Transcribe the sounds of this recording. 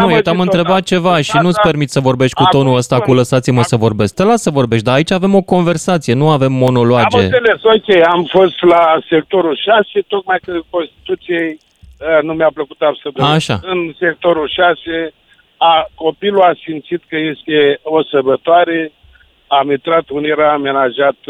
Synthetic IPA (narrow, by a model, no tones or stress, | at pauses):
nujet̪amɨnt̪ɾe̞bat̪̚t͡ʃe̞vaʃinut̪sʲpe̞rmit̪səvo̞rbe̞ʃt̪̚ʲkut̪o̞nuəst̪akuləsat̪siməsəvo̞rbe̞sk̚t̪elasəvo̞rbe̞ʃt̪ʲd̪aːit͡ʃave̞mo̞ko̞nve̞rsat̪sije̞nuave̞mːo̞no̞loamd͡ʒe̞elesokʲejamfo̞st̪lase̞k̚t̪o̞ɾulʃase̞t̪ok̚majkəko̞nst̪i̥t̪ut̪sijej | numeapləkut̪absəd̪oaʃaɨnse̞k̚t̪o̞ɾulʃase | ako̞piluasimt̪sit̪kəje̞st̪e̞o̞sərbət̪oaɾe | amit̪ɾat̪uniɾəːme̞naʒat̪